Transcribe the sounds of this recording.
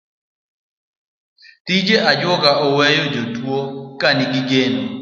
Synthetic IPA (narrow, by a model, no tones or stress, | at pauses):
tid͡ʒeʔad͡ʒwɔɡaʔɔwɛjɔd͡ʒotwokaniɡiɡeno